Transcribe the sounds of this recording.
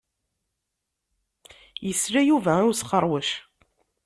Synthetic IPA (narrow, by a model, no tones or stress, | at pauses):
jəsɾæjuvæʊɾsqːəɾˤwəʃ